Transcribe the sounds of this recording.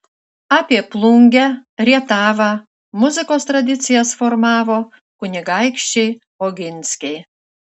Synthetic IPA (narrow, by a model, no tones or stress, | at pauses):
apʲiɛplˠuŋʲɡʲæɾʲiɛt̪aːva | muzɨkoːst̪ɾad̪ʲit̪sʲɨjasfɔɾmaːvɔ | kunʲɛɡajkʃʲt͡ʃʲi | ɔɡʲinskʲij